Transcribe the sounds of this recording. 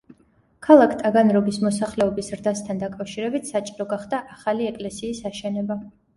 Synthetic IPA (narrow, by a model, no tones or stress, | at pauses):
kʰalˠakʰt̪ʼaɡanɾɔɡismɔsaχlɛɔbisɾd̪ast̪ʰand̪akʼafʃiɾɛbit̪ʰsat͡ʃʼiɾɔɡaχd̪aʔaχaliɛkʼlɛsiːsaʃɛnɛba